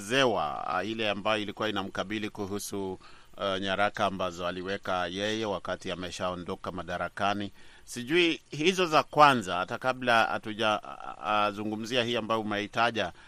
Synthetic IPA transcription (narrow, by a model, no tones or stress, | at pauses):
zɛwa̰ilɛambajɔilikuwainam̩kaɓilikuɦusu | ɲaɾakaːmbazɔaliwɛkajɛjɛwakatiamɛʃaɔndɔkamaɗaɾakani | siʄuihizɔzakwanzahatakaɓlaa̰tuʄa | zuŋɡum̩ziahiambajɔumɛhitaʄa